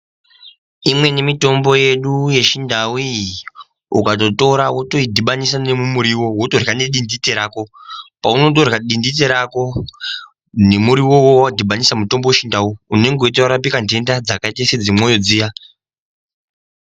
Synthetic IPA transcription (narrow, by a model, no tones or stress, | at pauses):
imwe̞ne̞mito̞mbo̞je̞ɗuje̞ʃindawi | ukato̞to̞ɾawoto̞idʱiɓanisane̞mumuɾiwo̞wo̞to̞rɣaneɗinditeɾaːko̞pauno̞t̬orɣaɗindit̬e̞ɾako̞ | ne̞muɾiwo̞wowaadʱiɓanisamuto̞mbo̞weʃindawuune̞ŋɡoitawaɾap̬ikande̞ndad͡zakaitesed͡zimo̞jod͡ziːja